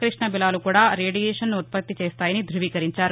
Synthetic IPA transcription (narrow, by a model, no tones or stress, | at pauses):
kɾiʂɳɐbilaːlukuːɽaːɾeːɖijɛːʂɐnnuut̪̚pɐt̪ːit͡ʃeːst̪aːjɐnid̪ɾuʋiːkɐɾiɲt͡ʃaːɾu